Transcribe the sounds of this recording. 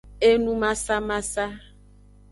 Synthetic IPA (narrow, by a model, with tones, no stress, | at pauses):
e˦nũ˦mã˦sa˦mã˦sa˦